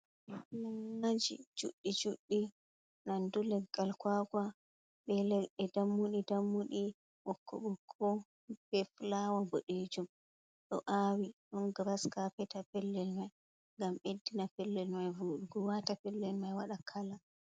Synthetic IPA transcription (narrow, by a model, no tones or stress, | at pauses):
nanːad͡ʒḭd͡ʒuɗːid͡ʒuɗːi | nandulɛɡalkwaka | ɓɛlɛɛdamːuɗidamːuɗi | wɔkʰːɔ̰ɓɔkʰɔ | bɛflawaɡoɗed͡ʒum | ɗɔʔawiɗɔnɡɾaskapɛtapɛlːɛlmaj | ŋɡamedːinapɛlːɛlmajvuɗuɡɔwatapɛlːɛlmajwaɗakʰala